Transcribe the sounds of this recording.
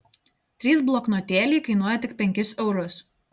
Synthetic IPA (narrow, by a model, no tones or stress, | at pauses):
t̪ʲɾʲiːs̬blˠɔknoːt̪ʲeːlʲiːkɐɪnuɔjɛt̪ʲɪk̚pʲɛŋʲkʲɪsɛʊɾʊs